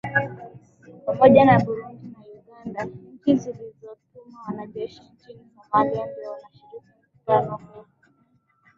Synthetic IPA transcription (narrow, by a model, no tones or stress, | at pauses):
pamɔʄanaɓuɾundinauɡandakizilizɔt̚umawanaʄɛʃint͡ʃinikahaliambiɔanaʃuɾiki | uɾalakuu